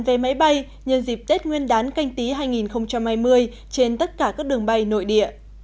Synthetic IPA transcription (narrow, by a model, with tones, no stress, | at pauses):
nve˨˩ma˨˦jɓa˧j | ɲə˧nzi˨˩p̚t̪e˦˥t̚ŋwi˧ənɗaː˨˦nka˧jŋ̟t̪i˨˦ɦaː˧jŋi˨˩nxə˧wŋ͡mt͡ɕa˧mhaː˧jmɨ˧əj | t͡ɕe˧nt̪ə˦˥t̚kaː˧˩kaː˦˥k̚ɗɨ˨˩əŋɓa˧jno̰˧˨jɗḭ˧˨əʔ